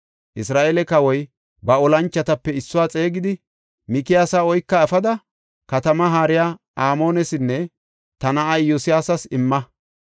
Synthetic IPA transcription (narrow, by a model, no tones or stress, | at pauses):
ʔɪsɾaːʔelɛkɐwɔj | bɐɔlɐnt͡ʃːɐt̪ɐpːɛɪsːʊwaːt͡sʼe̞ːɡɪd̪ɪ | mɪkɪjaːsaːɔjkːɐɛfɐd̪ɐ | kɐt̪ɐmɐɦaːɾɪjaː | aːmo̞ːnɛsɪnːɛ | t̪ɐnɐʔɐjːʊsɪjaːsɐsɪmːɐ